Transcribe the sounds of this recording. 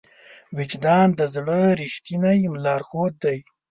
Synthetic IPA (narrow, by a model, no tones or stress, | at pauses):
wɪd͡ʒd̪ɑːnd̪əzɽəɾiʃt̪inajmlɑːɾxot̪̚d̪aj